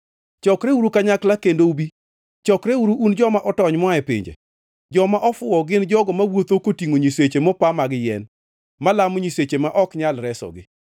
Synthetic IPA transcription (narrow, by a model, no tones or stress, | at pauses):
t͡ʃɔkɾeuɾukaɲaklakendoubi | t͡ʃɔkɾeuɾuʔund͡ʒɔmaʔɔtɔɲmwaɛpɪ̰ɲd͡ʒḛ | d͡ʒɔmaʔɔfʊɔɡɪnd͡ʒɔɡɔmawot̪okotiŋoɲiset͡ʃemɔpamaɡɪjɛn | malamoɲiset͡ʃemaʔɔkɲalɾɛsɔ̰ɡɪ